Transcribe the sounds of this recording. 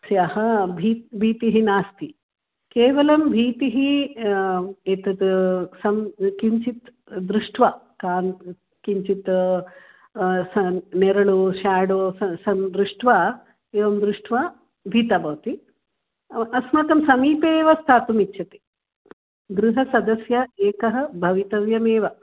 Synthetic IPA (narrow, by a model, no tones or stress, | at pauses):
sjahɐbʱiːt̪bʱiːt̪iɦinaːst̪i | keːʋɐlɐmbʱiːt̪iɦi | eːt̪ɐd̪sɐmkiɲt͡ʃit̪ | d̪ɾuʂʈʋa | kaːn | kiɲt͡ʃit̪ | sɐneɾɐɭuʃaːɽoːsɐsɐmd̪ɾuʂʈʋaː | eːʋɐmd̪ɾuʂʈʰʋaː | bʱit̪aːbʱɐʋɐt̪i | ɐsmɐk̪ɐmsɐmiːpeːʋɐst̪ʰaːt̪umitːʃʰɐt̪i̥ | ɡɾuɦɐsɐd̪ɐsjɐeːkɐɦɐ̆bʱɐʋit̪ɐʋjɐmeːʋɐ